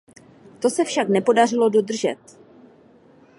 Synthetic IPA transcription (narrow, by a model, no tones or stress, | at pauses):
t̪o̞sɛfʃaknɛpo̞darɪlo̞do̞d̪r̩ʒɛt̪̚